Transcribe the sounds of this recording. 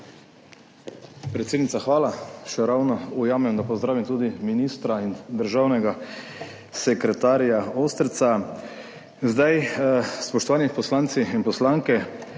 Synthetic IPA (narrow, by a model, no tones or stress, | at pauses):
pɾɛt̪sʲeːd̪nit̪axʋaːlaʃɛɾawnɔujaːmɛmd̪apɔzd̪ɾaːʋimt̪uːd̪iminist̪ɾaind̪əɾʒaːwnɛɡa | sɛkɾɛt̪aːɾjaoːst̪ɾt̪sa | zd̪ajspɔʃt̪ɔʋaːnipɔslaːnt̪siinpɔslaːŋkɛ